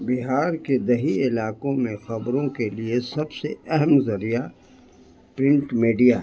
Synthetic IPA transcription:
bɪɦaːɾked̪ɐɦiɪlaːkõmẽxɐbɾõkeliesɐbseɛɦɛmzɐɾija | pɾɪ̃ɳʈmiːɖija

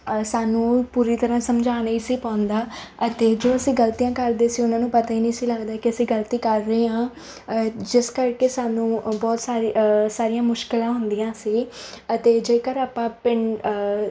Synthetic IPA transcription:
saːnũːpuːɾiːt̪əɾãːsəmd͡ʒaːnəiːsiːpãːʊnd̪aː | ət̪eːd͡ʒoːəsĩːɡəlt̪ijãːkəɾd̪eːsiːʊnãːnũːpət̪aːiːnĩːsiːləɡd̪aːkɪəsĩːɡəlt̪iːkəɾːəeːɦãː | d͡ʒɪskəɾkeːsaːnũːbɔːt̪saːɾsaːɾijãːmʊʃkɪlãːɦʊnd̪ijãːsiːət̪eːd͡ʒeːkəɾaːpãːpɪɳ

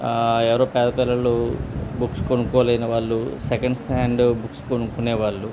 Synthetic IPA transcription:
ɛʋɐɾoːpɛːd̪ɐpɛlɐlubukskonukɔːlɐjnɐʋaːɭːusekɐɳɖsaːɳɖbukskonukuneːʋaːɭːu

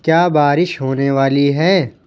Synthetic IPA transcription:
kjaːbaːɾɪʃɦoːneʋaːliɦɛː

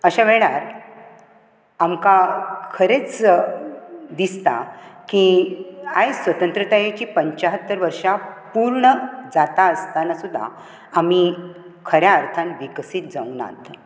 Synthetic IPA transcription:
əɕaʋeɭaɾ | amkakʰəɾet͡s | d̪ist̪a̰ki | ajsʋət̪ənt̪ɾət̪ajet͡ɕiːpəɲt͡ɕaɦət̪ːəɾʋəɾʂapuɾɳəd͡zat̪aəst̪anasud̪ʱːa̰ː | mi | kʰəɾjaəɾt̪ʰanʋiksiːt̪̚d͡zauna̰t̪

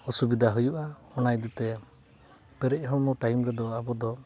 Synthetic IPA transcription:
ɔsubid̪ʱaɦujuʔa | ɔnajd̪ɛt̪ɛ | pɛɾɛʔɦɔmɔʈajmɾɛd̪ɔabɔd̪ɔ

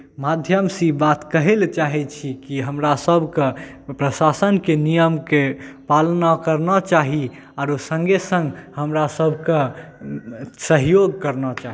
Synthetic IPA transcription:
mad̪ʱjəmsibat̪kəɦelt͡ʃaɦɛt͡ʃʰikiɦəmɾasəbʱke | pɾəsasənkenijəmkepalnakəɾnɔt͡ʃaɦi | aɾosə̃ŋɡesə̃ŋɡhəmɾasəbʱkẽ | səɦjoɡkəɾnɔt͡ʃaɦi

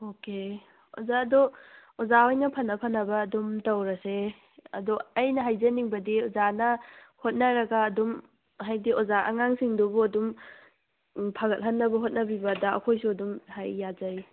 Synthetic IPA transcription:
oke | ozaɐdoozaojnɐpʰɐnːɐpʰɐnːɐbɐːdumtɐwɾɐse | ɐ̰dɔɐjnɐɦajzɐniŋbɐdiozanɐhot̚nɐɾɐɡɐːdum | ɦajdiozaʔɐ̰ŋaŋsiŋdubuɐdum | pʰɐɡɐt̚ɦɐnːɐbɐɦot̚nɐbibɐdɐ̰ːkʰojsuɐdumhajːazaj

